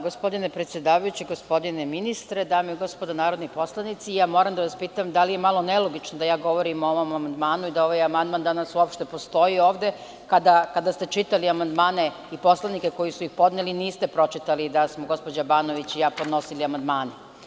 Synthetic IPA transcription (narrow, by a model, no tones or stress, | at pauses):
ɡo̞spo̞d̪inepɾet̪sjed̪aːʋajut͡ɕiɡospo̞d̪ineminist̪ɾed̪aːmeiɡo̞spod̪anaːɾo̞d̪nipo̞slˠanit̪sijaːmo̞ːɾamd̪aʋaspiːt̪amd̪alije̞malˠo̞ne̞lo̞ɡit͡ʃnod̪ajaːɡo̞ʋo̞ɾimooʋo̞mamand̪maːnuid̪ao̞ʋajamand̪mand̪anasuopʃt̪e̞po̞st̪o̞jio̞ːʋd̪e̞ | kad̪akad̪ast̪e̞t͡ʃit̪aliamand̪maːne̞ | ipo̞slanike̞ko̞jisuixpo̞d̪neliniːst̪e̞pɾo̞t͡ʃit̪alid̪asmoɡo̞spod͡ʑabaːno̞ʋit͡ɕijaːpo̞d̪no̞siliamand̪maːne